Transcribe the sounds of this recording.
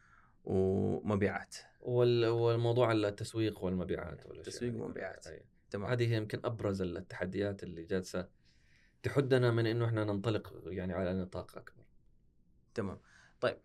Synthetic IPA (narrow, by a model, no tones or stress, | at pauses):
wmabiːʕa̰ːt̪ | wɪwɪlmɑwðˤuːʕalt̪ːaswiːqwɪlmabḭːʕa̰ːt̪wɪ̰lːʔsiːma̰bḭːʕa̰ːt̪a̰ja | ahaːd̪ihjɪmkɪnʔabɾˤɑzɪlt̪ːḁħad̪ːɪjaːt̪ɪlːid͡ʒad̪sa | t̪aħʊd̪ːnamɪnʔɪnːʊʔɪħnanɪnt̪ˤɑlɪqjaʕniʕalanːɨt̪ˤɑːqʔa̰kbɑɾˤ | t̪ama̰ːmt̪ˤɑjːɪb̚